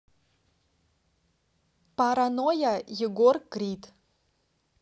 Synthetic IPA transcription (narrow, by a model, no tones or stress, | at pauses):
paɾanojajɛɡorkrit̪